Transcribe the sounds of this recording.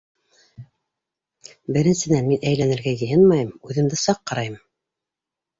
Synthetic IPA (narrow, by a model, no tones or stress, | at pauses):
bɘ̆ɾɘ̆nsɘ̆nænminæjlænɘ̆ɾɡæjɘ̆jɤnmɑjɤmʉðɘ̆md̪ɘsɑqːɑɾɑjɤm